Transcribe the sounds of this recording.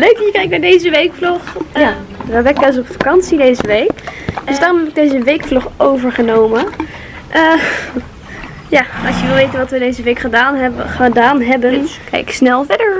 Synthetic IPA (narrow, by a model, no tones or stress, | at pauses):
løɥkjəkɛjk̚nadejzəʋejkflɔχjadɔɛɡɛls̬ɔpfakɑnsidejzəʋejkdøsdaːrɔ̃mɦɛbɪɡ̚dejzəʋejkflɔχowvəɹχənowmə | ʔə | jaɑsjəʋɪlˠʋejtənʋɑtʋədejzəʋejkχədaχədaːnɦɛbənkɛ̰jksnɛlˠvɛdəɹ